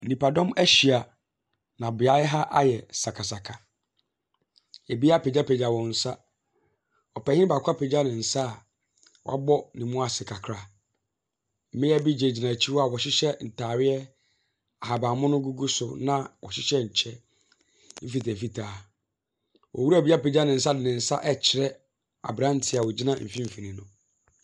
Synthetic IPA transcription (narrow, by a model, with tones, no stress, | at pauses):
n̩˨nĩ˨pa˨dɔ̃˦mæ˦ɕi˨a˨ | nã˨bɪ˨a˦ɦa˦ʔa˦jɛ˨sa˨kʰa˨sa˨kʰa˨ | e˨bi˦a˦pe˨d͡ʑa˦pʰe˨d͡ʑa˨wɔ̃˨n̩˨sa˦ | ɔ˨pɛ˨ɲɪ˦ba˨kʷʰa˦pʰe˨d͡ʑa˦nɪ̃˨n̩˨sa˦˨ | wɔ̰˨a̰˦bɔ˦nĩ˨mʊ̃˦a˨sɪ˨kʰa˨kʰɾa˦ | m̩˨ɪ̃˦ɛ˦bi˦d͡ʑe˨d͡ʑi˨nã˨t͡ɕʰi˦wɔ˦a˨wɔ˨ɕɪ˦ɕɛ˦n̩˨tʰaː˨wɪ˦ɛ˦ | a˨ɦa˨bã˨mʊ̃˦nʊ̃˦ɡu˦ɡu˦sʊ˨nã˦wɔ̰˨ɕɪ˦ɕɛ˦ɲ̩˨t͡ɕʰɛ˦ | m̩˦fi˨tɛ̃˨m̩˨fi˦tʰaː˨ | wʔɔ˨wu˦ɾu˦æ˨bi˦a˦pe˨d͡ʑa˦nɪ̃˨n̩˨s̬a˦dɪ˨nɪ̃˨n̩˨sa˦ʔɛ˦t͡ɕʰɪ˨ɾɛ˦ | a̰˨bɾã˦n˦tʰɪ˨a˨wɔ˨d͡ʑi˦nã˦m̩˨fĩ˦m̩˦fi˨nĩ˨nʊ̰̃˨